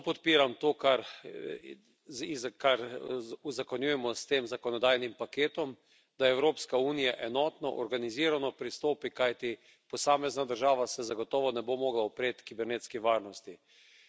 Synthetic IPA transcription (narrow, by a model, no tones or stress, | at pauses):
pɔt̪̚piːɾamt̪oːkaɾ | izkaɾuzakɔnjujɛmɔst̪eːmzakɔnɔd̪ajnimpakeːt̪ɔm | d̪̥aɛwɾoːpskauːnijaʔɛnɔːt̪nɔʔɔɾɡaniziːɾanɔpɾist̪oːpikajt̪i | pɔsaːmɛznad̪əɾʒaːʋasɛzaɡɔt̪ɔːʋɔnɛbomoːɡlaɔpɾeːt̪kibɛɾneːt̪skiʋaːɾnɔst̪i